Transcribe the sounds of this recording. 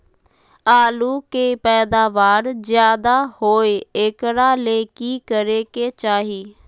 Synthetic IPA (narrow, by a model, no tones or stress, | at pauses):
aːluːkeːpɛːd̪aːʋaːɾzɪjaːd̪aːhoːeɪkɽaːleːkiːkəɾeːkeːt͡ʃaːɦiː